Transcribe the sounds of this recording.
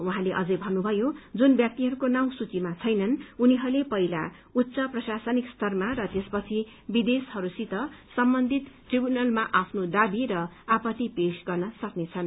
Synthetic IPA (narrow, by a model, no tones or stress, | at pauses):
uɦãleʔʌd͡zʌjbʱʌnːubʱʌjod͡zunbjʌk̚t̪iɦʌɾukonaw̃sut͡simat͡sʰʌjnʌnuniɦʌɾulepʌila | ut̪ːsʌprʌsasʌnikst̪ʰʌrmaɾʌt̪espʌt͡sʰi | bid̪eshʌɾusit̪ʌsʌmbʌnd̪ʱit̪ʈribjunʌlmaʔapʰnod̪abiɾʌapʌt̪ipesɡʌrnʌsʌknet͡sʰʌn